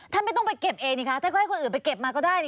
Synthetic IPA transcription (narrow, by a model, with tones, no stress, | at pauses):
t̪ʰa˥˩nm˥˩jt̪ɔ˥˩ŋp̬a˧jke˨˩p̚ʔeː˧ŋniː˦˩kʰa˦˥t̪ʰaː˥˩kːa˥˩kʰo˧nʔːnpa˧jke˨˩p̚maː˧kɔː˥˩daː˥˩jni˥˩